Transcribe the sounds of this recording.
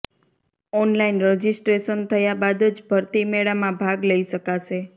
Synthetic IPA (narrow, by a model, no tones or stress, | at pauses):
ɔnlainɾəd͡ʒisʈɾeʃənt̪ʰəjabad̪əd͡ʒbʱəɾt̪imeɭamãbʱaɡləiʃəkaʃe